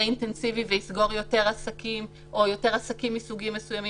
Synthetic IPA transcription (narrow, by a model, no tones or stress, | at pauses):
intensiviveisɡo̞ʁjo̞te̞ʁasakim | ʔojo̞te̞ʁasakimːisuɡimːesujami